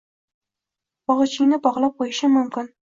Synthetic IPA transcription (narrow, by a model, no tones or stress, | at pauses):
bɒʁɨt͡ʃʰɪŋnɪbɒʁlˠap̚qʰojɪʃɪmʊmkʲɪn